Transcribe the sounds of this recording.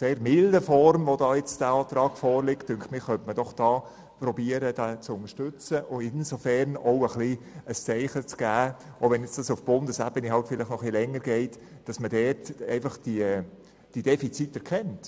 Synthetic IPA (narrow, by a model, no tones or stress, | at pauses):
seːɾmɪldəfɔrmʋodɑːjɛt͡sd̥æɑːt̪ɾɑːɡ̥fɔːɾlɪktːʉŋkχtmɪχːœntməd̥ɔχd̥ɑː | pɾɔbiəɾəd̥ɛt͡sʊnəʃtʉt͡səʔʊɪnsofɛɾnɔʊəχliəst͡sɛɪχət͡sɡ̥æːʔɔʊʋɛnjɛt͡sd̥ɑsufb̥ʊndəsæbəniɦɑltfɪlɪχnɔχlilɛŋːəɾɡɛɪt | d̥ɑsmədɛːtɛ̰ɪfɑχd̥i | d̥id̥ɛfit͡sitːɛɾkʰɛnt